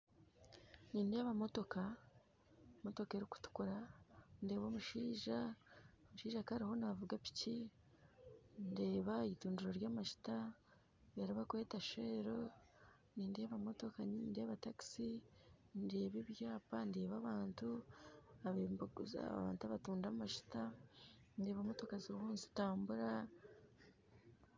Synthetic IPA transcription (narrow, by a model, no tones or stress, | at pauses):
niːndeβamo̞to̞ka | mo̞to̞ke̞ɾiku̥tu̥kuɾande̞ːβo̞muʃiːʒa | muʃiːʒakaɾiho̞navuɡapi̥ci | nde̞ːβaeituːnduɾoɾjaːmaʃi̥ta | βeɾaβakwetaʃe̞ːɾo | niːndeːβamo̞to̞kaninde̞ːβataki̥sinde̞ːβiβjaːpande̞ːβaβaːntu | aβembɡuza̰βa̰ːntuaβatuːndaumaʃi̥ta | nde̞βamo̞to̞kaziɾuhuːnsi̥taːmbuɾa